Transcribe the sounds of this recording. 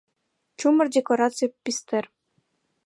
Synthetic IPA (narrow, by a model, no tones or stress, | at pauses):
t͡ʃumə̆rdʲekoɾat̪sɨjpist̪er